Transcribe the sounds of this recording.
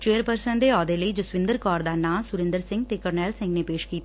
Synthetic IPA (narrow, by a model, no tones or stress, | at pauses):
t͡ʃeːəɾpəɾsənd̪eːɔːd̪eləid͡ʒʊsʋɪ̃nd̪əɾkɔːɾd̪aːnaːmsʊɾɪ̃nd̪əɾsɪ̃ŋɡ̚t̪eːkəɾnɛːlsɪ̃ŋɡnepeːʃkiːt̪